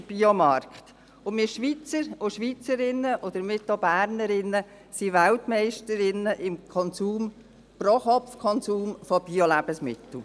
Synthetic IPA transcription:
b̥iɔmɑɾkχt̪ | ʊmɪʃʋit͡səɾʊʃʋit͡səɾɪnːəʔɔd̪̥əɾmɪtobæːɾnəɾɪnːə | siʋæltmɛɪʃtəɾɪnːəʔɪmkʰɔnsuːm | proχɔfkʰɔnsuːmfɔb̥iolæb̥əsmɪt̪l̩

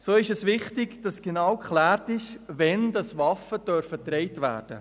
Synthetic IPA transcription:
soːɪʃɛsvɪχtɪɡd̥ɑsɡ̥enɑwkχlæːɾtɪʃvɛndɑsvɑfəd̥œɾfətɾɛɪtvæ̰ːɾd̥ə̰

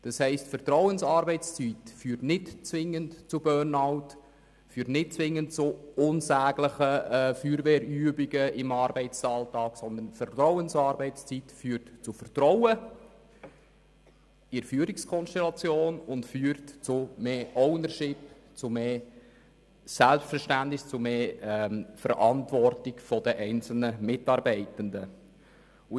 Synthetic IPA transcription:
d̥ɑshɛɪstfərt̪ɾɔʊənsɑːɾbɛɪt͡st͡sitfyːɾtnɪtt͡sʋɪŋːəntt͡sʊbœːnɑʊt | fyːtnɪt̚t͡sʋɪŋːəntt͡sʊʊnsæːɡləχəɛfyːɾʋeːɾyːəbiɡəɪmɑːɾbɛɪt͡sɑːltɑːɡ̥sɔnd̪ənfərt̪ɾɔʊənsɑːɾbɛɪt͡st͡sitfyːɾtt͡sʊfərt̪ɾɔwə | ɪɾfyːəɾɪkskʰɔnʃtɛlɑt͡sjoːnʊntfyːɾtt͡sʊmeːʔɔʊnərʃɪp | t͡sʊmeː | sælpstfəɾʃtæntnɪst͡sʊmeː | fəɾʔɑntʋɔrtɪkfɔd̥əʔɛɪnt͡sl̩nəmɪtɑːɾbɛɪtənd̪ə | ʊ

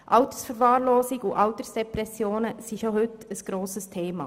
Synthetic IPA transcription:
ʔɑʊt̪ə̥sfəɾvɑːɾloːsɪɡʊʔɑʊt̪əsd̥ɛpɾɛsjoːnəsiʃohʏtəsɡ̥ɾoːsəstʰeːmɑ̰

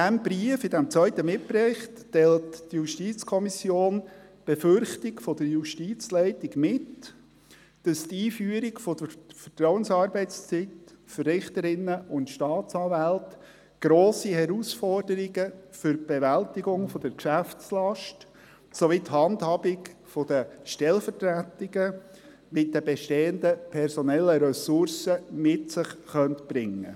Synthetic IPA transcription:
d̥æmbɾiəfɪdæmt͡sʋœʏt̪əmɪtpɾɪχtː | ɛlttjuʃtiːt͡skʰɔmisjoːnb̥efʏɾχtɪɡfɔd̥əɾjuʃtiːt͡slɛɪtɪɡmɪt | d̥ɑst̪iːfyːəɾɪɡfɔd̥əfət̪ɾɔwənsɑːɾbɛɪtt͡st͡sitfərɪχt̪əɾɪnːəʔʊntʃtɑːtt͡sɑːvælt | ɡ̥ɾoːsihɛɾusfɔrd̥əɾiɡəfʏɾb̥ɛvæltɪɡʊŋfɔd̥̪əɾkʃæft͡slɑʃt | soʋithɑndhɑbɪkfɔd̥̪əʃtɛlfətɾætɪɡə | mɪt̚dəbɛʃteːənd̪əpʰɛɾsɔnɛlːəɾɛsʊɾsəmɪtsɪχχœntb̥ɾɪŋːə̰

